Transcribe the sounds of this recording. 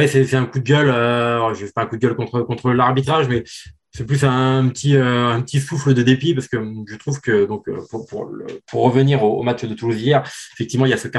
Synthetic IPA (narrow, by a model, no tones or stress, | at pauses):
ɛsɛsɛt̪ɛ̃kud̪əɡʲœløʒəfɛpaɛ̃kud̪əɡʲœlkɔ̃t̪χəkɔ̃t̪χəlaʁbit̪χaʒmɛ | sɛplysɛ̃pət̪ʰiøɛ̃pət̪isufləd̪əd̪epipaʁsə̥kəʒət̪χuvkəd̪ɔ̃kø̰puʁpuʁlə̰puʁːəvəniʁoo̰mat͡ʃd̪ət̪uluzijɛʁefɛkt̪ivmɑ̃iljasək